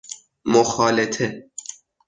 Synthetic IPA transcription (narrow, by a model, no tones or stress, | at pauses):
moxɒːlet̪ʰe